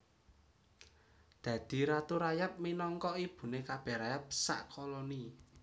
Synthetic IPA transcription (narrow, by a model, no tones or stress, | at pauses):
d̪̥ä̤d̪̥i̤ɾat̪uɾajap̚minɔŋkɔib̥ṳnekab̥ɛ̤ɾajap̚sa̰ʔkɔlɔni